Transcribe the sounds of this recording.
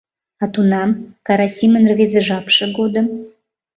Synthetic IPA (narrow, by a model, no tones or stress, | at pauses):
ɑt̪unɑmkɑɾɑsʲimənrvezeʒɑpʃə̆ɡod̪ə̆m